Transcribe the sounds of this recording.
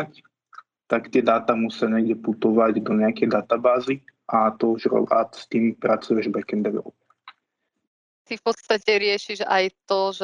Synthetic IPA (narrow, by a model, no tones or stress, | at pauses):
ac | t̪akt̪ɪɛd̪aːt̪amusaɲɛːɡɟɛput̪ɔʋaɟd̪ɔɲɛakɛjd̪at̪abaːziʔat̪ɔuʒɛɔ̰a̰t̪st̪iːmpɾat͡sujɛʒbɛkɛnd̪ɛɾɔ̰ | t̪ifpɔt̪st̪acɛɾɪɛʃiʒa̰jt̪ɔʒ